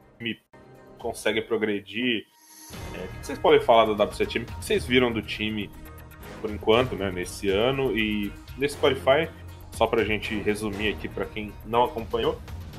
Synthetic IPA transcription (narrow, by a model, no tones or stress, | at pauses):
mɪ | kõsɛɡɪpɾoɡɾed͡ʒi | ɛʊkɪko̥sejspɔd̪ẽj̃falad̪ad̪ablʊsɛt͡ʃẽmɪkɪko̥sejzviɾɐ̃w̃d̪ʊt͡ʃĩmɪ | poɾĩkwɐ̃nt̪ʊnɛnesɪɐ̃nʊɪ | nesɪ̥spaɾifaj | sɔpɾɐaʒẽnt͡ʃɪɦezumiakipɾɐkẽj̃nɐ̃w̃akõpɐ̃ɲo